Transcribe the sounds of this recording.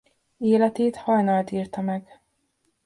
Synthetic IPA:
eːlɛt̪eːt̪hɒjnɒlt̪iːrt̪ɒmɛɡ

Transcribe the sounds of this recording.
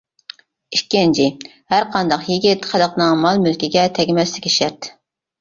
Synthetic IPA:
iʃkʲːɪnt͡ʃʰɪ | hæɾqʰɑnd̪ɑqjiɡʲɪt̪qʰæd̪əqnɨŋmɑlˠmylkʲiɡʲɛt̪ʰɛɡʲimɛslɪkʲiʃɛɾt̪

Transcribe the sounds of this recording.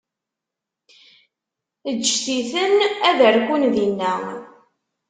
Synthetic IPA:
əʒθiθənæðəɾkʷunðinːæ

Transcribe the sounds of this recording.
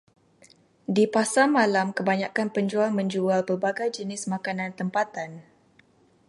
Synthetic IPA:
dipasamãlamkəbaɲakanpəɲd͡ʒualmə̃ɲd͡ʒualbərbaɡajd͡ʒənɪsmakanãnt̪əmpat̪an

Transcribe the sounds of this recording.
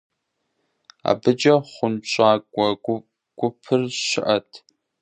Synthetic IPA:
a̰ːbɨd͡ʒɐχʷʊnɕʷʼaːkʷʼɐ | ɡ̥ʷʊpʰɨrʃɪʔɐtʰ

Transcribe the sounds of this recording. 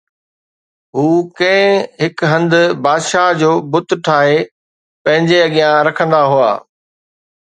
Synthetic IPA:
ɦuːkɐ̃ɦɪ̃ɦɪkɦɐ̃nd̪ʊbaːd̪ʃaːɦd͡ʑoːbʊt̪ʈʰaːɦe | pɐ̃ɦɪ̃ɲd͡ʑeɐɠijãɾɐkʰə̃nd̪aɦua̰ː

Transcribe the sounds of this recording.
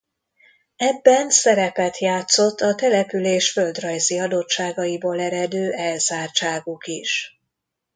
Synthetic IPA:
ɛbːɛnsɛɾɛpɛt̪jaːt̪so̞t̪ːɒt̪ɛlɛpyleːʃføld̪rɒjziɒd̪o̞t͡ʃːaːɡɒjiboːlɛɾɛd̪øːʔɛlzaːrt͡ʃaːɡukiʃ

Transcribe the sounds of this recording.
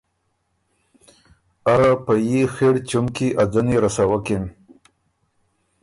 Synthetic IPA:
aɣapajixeɽt͡ʃumkiʔad̪aniɾasawaken

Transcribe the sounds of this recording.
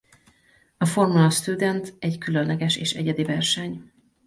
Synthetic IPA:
ɒfo̞rmulɒst̪ud̪ɛnt̪ɛɟkylønlɛɡɛʃḛːʃɛ̰ɟɛd̪ivɛrʃɛɲ

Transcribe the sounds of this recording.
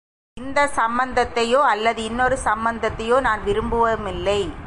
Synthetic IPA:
ɪnd̪ɐsɐmbɐnd̪ɐt̪ːɐjoːɐlːɐðɯɪnːɔɾɯsɐmbɐnd̪ɐt̪ːɐjoːnaːnʋɪɾɯmbɯʋɐmɪlːɐɪ

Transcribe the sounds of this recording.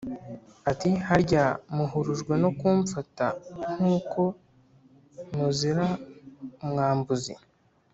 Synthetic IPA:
atihaɾɟamuɦuɾuʒɡwe̞no̞kuːɱfataŋ̥uːko̞ | muziɾa | mɡaːmbuzḭ

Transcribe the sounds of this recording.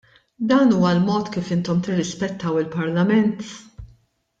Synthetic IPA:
d̪ɐːnuːwɐlmɔːt̪kiːfɪnt̪ɔmt̪ɪrːɪspɛt̪ːɐwɪlpɐɾlɐmɛnt̪

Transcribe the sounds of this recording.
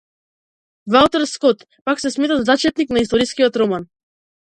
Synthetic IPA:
valˠt̪ɛɾskɔt̪ | paksɛsmɛt̪azat͡ʃɛt̪̚niknaist̪ɔɾiskiɔt̪ɾɔman

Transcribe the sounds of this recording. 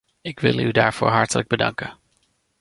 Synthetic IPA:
ɪkʋɪlˠydaːɹv̥oːɹɦɑɹtələɡ̚bədɑ̰ŋkən

